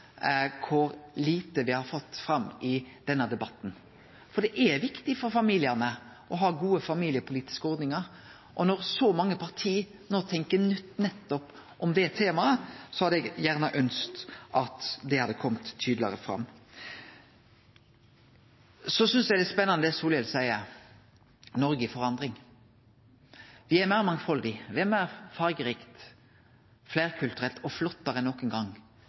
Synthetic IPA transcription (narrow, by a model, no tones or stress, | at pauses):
kʰʊɾliːt̪əʋɪhɑɾfɔt̪ːfɾɑmːɪd̪̥ɛnːəd̪ɛbɑt̪ːn̩ | fɔɖ̪ɛʔɛɾʋɪkt̪ɪfɔɾfɑmiːlɪəʁnə | ʔɔɦɑːɡuːəfɑmiːlɪəpʰʊliːt̪ɪ̥skəɔɾd̪nɪŋəɾ | ʔɔnɔɾsɔmɑŋːəpʰɑʁt̪ʰiː | noːt̪ʰɛŋkənʏt̪ːnɛt̪ːɔp | ʔɔmd̪ɛt̪ʰeːmɑəsɔhɑd̪ɛɡjæʁnəʔœnskt̪ʔɑt̪d̪ɛhɑd̪ːəkʰɔmt̪ʰːyːd̪lɪɑ̰ʁəfɾɑ̰mː | sɔsʏnsæɡd̪ɛspɛnːɑnd̪ɛsuːljɛlsæɪə | nɔɾɡəfɔɾɑnd̪ʁɪŋ | ʋɪæɾmæɪɾmɑŋfɔld̪ɪʋɪæɾmæɪɾfɑɾɡəɾiːkt̪ | flæɪɾkʰʉlt̪ʉɾɛlt̪ɔflɔt̪ːɑɾəɛnːɔkənɡɑŋ